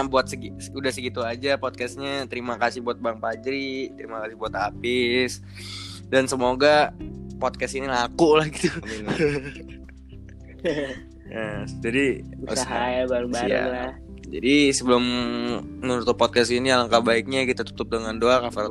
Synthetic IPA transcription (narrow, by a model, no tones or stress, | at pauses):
buat̪̚səɡudahsəɡit̪uad͡ʒapɔt̪̚kɛsɲat̪əɾimakasɪhbuat̪̚baŋpad͡ʒɾit̪əɾimakasɪhbuat̪apɪs | dansəmoɡapot̪̚kɛsinilakulahɡit̪ui | əd͡ʒadiuusaaɦajabaɾubajɾa̰la | d͡ʒa̰disəbəlʊm | nunut̪ʊpɔt̪̚kɛsinialaŋkabaɪk̚ɲakit̪at̪u̥t̪ʊp̚dəŋandoakafaɾa